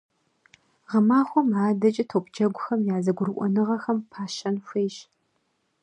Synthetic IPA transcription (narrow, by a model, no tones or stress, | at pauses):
ʁɐmaːxʷɔmaːdɐt͡ʃʼɪtʰoːpd͡ʒɐɡʷʊxɐmjaːzɐɡʷʊrʔʷʼɔ̰nɨʁɐxɐmpʰaːʃɐnfʷejɕ